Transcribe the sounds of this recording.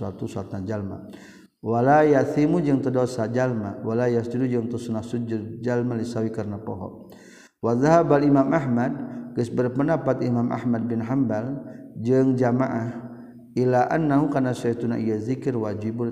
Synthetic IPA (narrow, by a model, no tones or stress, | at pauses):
at̪usat̪and͡ʒalma̰ | walajaθimud͡ʒɨŋt̪ədosad͡ʒalmawalajast̪udud͡ʒəŋt̪usunahsud͡ʒʊd̚d͡ʒalmalisawikaɾnapɔɦɔ̰ | waðaɦabalimamʔaɦmad̚ɡəsbərpəndapat̪imamʔa̰hmad̚bɪnɦambald͡ʒəŋd͡ʒamaʔah | ilaʔanːaɦukanasait̪unaʔijazikɪrwad͡ʒibu